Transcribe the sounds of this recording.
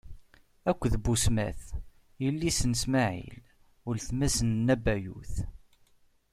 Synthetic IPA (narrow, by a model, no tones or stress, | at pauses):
ækʷːðbːusmæ̰θ | jəlːisənəsmaʕḭl | ʊlθmæsənːæbæjṵθ